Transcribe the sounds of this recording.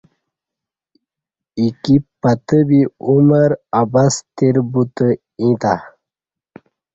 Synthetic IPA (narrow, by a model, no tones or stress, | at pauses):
ikipːɐt̪əbiuməɾabast̪eɾbut̪ə | ĩt̪a